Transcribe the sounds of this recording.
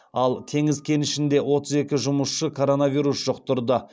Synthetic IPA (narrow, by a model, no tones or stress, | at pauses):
ɑlˠt̪ʰe̞ŋɪzkʲʰe̞nɪʃɪnd̪e̞wʔo̞t̪əze̞kʲɪʒʊməsʃəkʰo̞ɾo̞navijɾusʒ̥oqt̪ʊɾd̪ə